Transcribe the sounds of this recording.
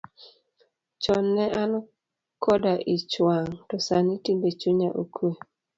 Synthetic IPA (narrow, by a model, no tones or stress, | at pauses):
t͡ʃɔnːɛʔan | kʰɔdaʔɪt͡ʃwaŋtɔsanitimbet͡ʃuɲaʔokwe